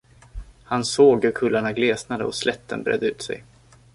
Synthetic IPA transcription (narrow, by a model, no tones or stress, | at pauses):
hansoːɡɵɾkʰɵlːaɳaɡleːsnad̪əɔslʔɛt̪ʰːə̰nbɾɛ̰ːd̪əʉ̟ːt̪sɛ̰j